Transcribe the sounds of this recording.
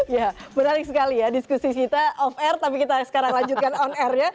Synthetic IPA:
jabənaɾɪk̚səkalijadiskusikit̪aʔɔfɛrt̪ap̬ikit̪asə̥kaɾaŋlaɲd͡ʒut̪̚kanɔnɛrɲa

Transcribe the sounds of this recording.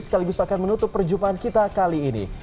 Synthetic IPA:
sə̥kaliɡust̪aːkanmənut̪ʊtpːərd͡ʒumpaankit̪akaliːnḭ

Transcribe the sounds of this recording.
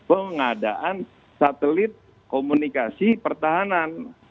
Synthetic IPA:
pəŋada̰ʔan | sat̪əlɪt̪̚ | komunikasipərt̪aɦanan

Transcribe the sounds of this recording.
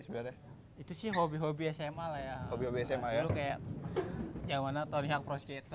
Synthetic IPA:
səbiaɾɛ | it̪usɪhɦobiɦobiɛsemalahjaobihobiɛsɛmajalukajaʔ | d͡ʒamanat̪oniɦak̚pɾɔskɛt̪

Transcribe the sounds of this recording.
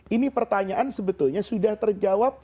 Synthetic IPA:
ʔinipərt̪aɲaʔansəbət̪ʊlɲasudaht̪ərd͡ʒawap̚

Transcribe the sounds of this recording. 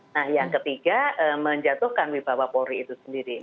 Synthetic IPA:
nahjaŋkət̪iɡ̥aəməɲd͡ʒat̪ʊhkanwib̥awapoɾiːt̪usəndiɾi

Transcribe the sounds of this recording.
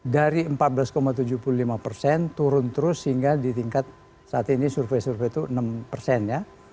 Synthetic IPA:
daɾiəmpat̪̚bəlaskomat̪ud͡ʒuhpululimapərsɛnt̪uɾʊnt̪əɾʊshiŋɡadit̪iŋkat̪̚ | saːt̪inisurfesurfet̪uənəmpərsɛnja

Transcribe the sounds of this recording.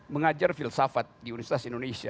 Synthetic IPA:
məŋad͡ʒarfilsafat̪̚diunifsit̪asindonesia

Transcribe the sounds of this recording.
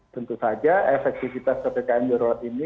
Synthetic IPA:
t̪ənt̪usad͡ʒaʔefɛk̚t̪ifit̪askət̪ekaɛndəɾɔat̪ini

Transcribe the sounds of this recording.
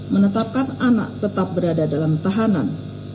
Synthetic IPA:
mənət̪ap̚kanana̰ʔ̚t̪ət̪ap̚bəɾadadalamt̪aɦana̰n

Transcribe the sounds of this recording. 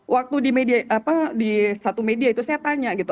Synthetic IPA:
wʔak̚t̪udimediaapadisat̪umediait̪usajat̪aɲaɡit̪u

